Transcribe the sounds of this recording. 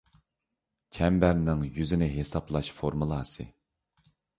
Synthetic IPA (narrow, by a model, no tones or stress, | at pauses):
t͡ʃʰɛmbæɾnɪŋjyzɪnɪɦesɑplˠɑʃfoɾmulˠɑːsɨ̰